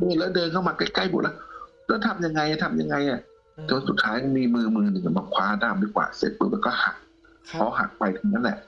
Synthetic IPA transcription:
dɤː˧˨lɛ˦˥wdɤː˧nkʰa˥˩wmaː˧kaː˧˥˩kla˥˩jbo̰˨˩t̚lɛ˦˥ | lɛː˦˥˩t̪ʰa˧mja˧ŋːa˧jʔa˧˨˩t̪ʰa˧mja˧ŋːa˧jʔa˨˩ | t̪ʰoː˧nsu˨˩t̪̚ʰaː˦˥jkɔ˧˥˩miː˧mɯː˧mɯː˧nɯ˨˩ŋa˧˨˩maː˧kʰwaː˦˧˥daː˧˩mdiː˧˥˩kwa̰ː˨˩sḛ˨˩t̚bɯː˧˥˩bɛː˧˩kɔː˥˩ha̰˨˩k̚ʰ | ɔː˧˩ɦa̰˨˩k̚pa˧jt̪ʰa˧ŋna˦˥˩nlɛ̰˨˩ʔ

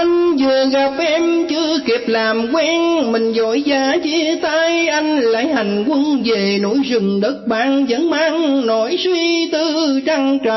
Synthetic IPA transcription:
ŋ̟zɨ˨˩əɣa˨˩p̚ʔɛ˧mt͡ɕɨ˧ki˨˩əp̚laː˨˩mkwɛ˧nmï˨˩ŋ̟zɔ˧˥jzaː˨˦t͡ɕi˧˦t̪aː˧jʔa˧jŋ̟la̰ː˧˥˦jha˨˩jŋ̟kwə˧nve˨˩no̰˧˥jzɨ˨˩ŋ͡mɗə˦˥t̚ɓa̰ː˧˨nzə˨˦ŋmaː˧nnɔ˧˨˦jswi˧t̪ɨ˧t͡ɕa˧ŋt͡ɕa˧˨

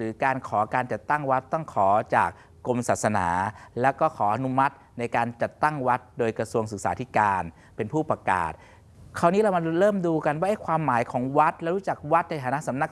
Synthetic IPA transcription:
ɾɯː˩˦kaː˧nkʰɔː˩˦kaː˧nt͡ɕa˨˩t̪ːa˥˩ŋwa˦˥t̪ːɔ˥˩ŋkʰɔː˩˦t͡ɕa̰ː˨˩k̚ːo˧msaː˨˩t̪̚sa˧na̰ː˩˦lɛː˦˥wkɔː˥˩kʰɔː˩˦ʔa˧nu˦˥ma˦˥t̪̚na˧jkaː˧nt͡ɕa˨˩t̪ːa˥˩ŋwa˦˥t̪̚doː˧jkɾa˧su˧əŋsɯ˨˩k̚saː˩˦t̪ʰi˦˥kaː˧n | pe˧npʰuː˥˩pɾa˧ka̰ː˨˩t̪̚ | kʰa˧˩wniː˦˥ɾa˧wma˧ɾɤː˥˩mduː˧ka˧nwaː˥˩ʔa˥˩jkʰwaː˧mːaː˨˩˦jkʰɔː˩˦ŋwa˦˥t̪̚lɛ˦˥wɾuː˦˥t͡ɕa˨˩k̚wa˦˥t̪̚na˧jt̪ʰaː˧˦na˦˥ʔsa˩˦mna˧˥k̚

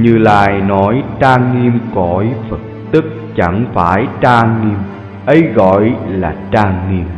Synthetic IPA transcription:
ɲɨ˧la̰ː˧˨jnɔ˨˦jtaː˧ŋːi˧əmkɔ˧˩jfə˨˩t̚t̪ɨ˦˥k̚t͡ɕa˧˩ŋfaː˧˩jtaː˧ŋŋi˧m | ʔə˨˦jɣɔ̰˧˨jlaː˨˩taː˧ŋːi˧əm

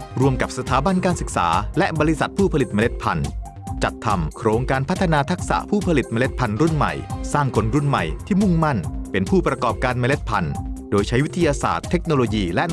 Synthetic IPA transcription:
ɾu˧əmka˨˩p̚sa˧t̪ʰaː˩˦ba˧nkaː˧nsɯ˨˩k̚sa̰ː˩˦lɛ˦˥ʔbɔː˧ɾi˦˥sa˨˩t̪̚pʰuː˥˩pʰa˧li˨˩t̪̚ma˧le˦˥t̪̚pʰa˧n | t͡ɕa˨˩t̪ʰːa˧mkʰɾoː˧ŋkaː˧npʰt̪ʰːa˧naː˧t̪ʰa˦˥k̚sa̰˨˩ʔpʰuː˥˩pʰa˧li˨˩t̪̚maː˧le˦˥t̪̚pʰa˧nɾu˥˩nma̰˨˩jsaː˥˩ŋkʰo˧nɾu˥˩nma̰˨˩jt̪ʰiː˥˩mu˥˩ŋma˥˩npe˧npʰuː˥˩pɾa˧kɔː˨˩p̚kaː˧nmaː˧le˦˥t̪̚pʰa˧ndoː˧jt͡ɕʰa˦˥jwi˦˥t̪ʰa˧jaː˧sa̰ː˨˩t̪ʰːe˦˥k̚noː˧loː˧jiː˧lɛ˦˥

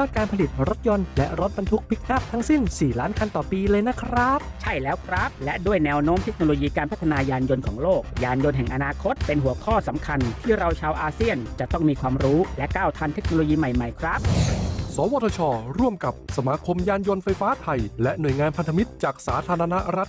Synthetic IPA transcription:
aː˥˩kaː˧npʰa˧li˨˩t̪̚ɾo˦˥t̪̚jɔ˧nlɛ˦˥ɾo˦˥t̪̚ba˧nt̪ʰu˦˥k̚pʰi˦˥k̚na˦˥˩p̚t̪ʰa˦˥ŋsi˥˩nsiː˨˩laː˦˥nkʰa˧nt̪ɔː˨˩piː˧lɤː˧jna˦˥kʰɾa˦˥p̚t͡ɕʰa˥˩jlɛː˦˥wkʰɾa˦˥p̚lɛ˦˥du˥˩əjnɛː˧wnoː˦˥mt̪ʰe˦˥k̚noː˧loː˧jiː˧kaː˧npʰa˦˥t̪ʰːa˧naː˧jaː˧njo˧nkʰɔː˩˦ŋloː˥˩k̚jaː˧njo˧nɦɛ˨˩ŋʔa˧naː˧kʰo˦˥t̪̚pe˧nɦu˩˦ɐkʰɔː˥˩sa˩˦mkʰa˧nt̪ʰiː˥˩ɾa˧wt͡ɕʰaː˧wʔaː˧si˥˩ənt͡ɕa˨˩ʔt̪ɔ˥˩ŋmiː˧kʰwaː˧mɾuː˦˥lɛ˦˥ʔkaː˥˩wt̪ʰa˧nt̪ʰe˦˥k̚noː˧loː˧jiː˧ma˨˩jma˨˩jkʰɾa˦˥p̚sɔː˨˦wɔː˧t̪ʰɔː˧t͡ɕʰɔː˧ɾu˥˩əmka˨˩p̚sa˧maː˧kʰo˧mjaː˧njo˧nfa˧jfaː˦˥t̪ʰa˧jlɛ˦˥ʔnu˨˩əjŋaː˧npʰa˧nt̪ʰa˧mi˦˥t̪̚t͡ɕaː˨˩k̚saː˩˦t̪ʰaː˧ɾa˧na˦˥ɾa˦˥t̪̚

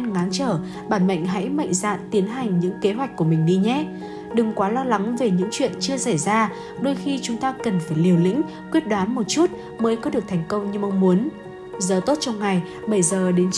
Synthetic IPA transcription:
ŋaː˨˦nt͡ɕəː˧˩ | ɓaː˧˩nmə̰˧˨jŋ̟ɦa̰˧˥jmə̰˧˨jŋza̰ː˧˨nt̪i˨˦ənɦa˨˩jŋ̟ɲɨ̰˧˥ŋke˨˦ɦwjk̟̚ku˧˩əmï˨˩ŋ̟ɗi˧ɲɛ˦˥ | ɗɨ˨˩ŋkwaː˨˦lɔ˧la˨˦ŋve˨˩ɲɨ̰˧˥ŋt͡ɕwḭ˧˨ənt͡ɕɨ˧əsa˧˩jzaː˧ | ɗo˧jxi˧t͡ɕʊ˨˦ŋ͡mt̪aː˧kə˨˩nfaː˧˩jli˨˩əwlḭ̈˧˥ŋ̟ | kwi˦˥ət̚ɗwaː˨˦nmo˨˩t̚t͡ɕu˦˥t̚ | məː˨˦jkɔ˨˦ɗɨ˨˩ək̚t̪ʰɛ˨˩jŋ̟kə˧wŋ͡mɲɨ˧ma˧wŋ͡mmu˨˦ən | zəː˨˩t̪o˦˥t̚t͡ɕɔ˧wŋ͡mŋa˨˩j | ɓə˧˩jzəː˨˩ɗe˨˦n

